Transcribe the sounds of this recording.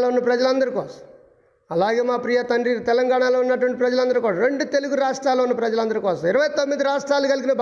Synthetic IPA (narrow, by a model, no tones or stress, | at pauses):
loːunːɐpɾɐd͡ʒɐlɐnd̪ɐɾikɔːsɐ̥m | ɐlaːɡeːmaːpɾijɐt̪ɐɳɖit̪ɛlɐŋɡaːɳaːloːunːɐʈ̬ʋɐɳʈipɾɐd͡ʒɐlɐnd̪ɐɾikɔːɽaɐɾeɳɖut̪e̞luɡuɾuɾaːʂʈɾaːloːunːɐpɾɐd͡ʒɐlɐnd̪ɐɾikɔːsɐmiɾɐʋɐjt̪omːid̪iɾaːʂʈɾaːlukɐliɡinɐbʱ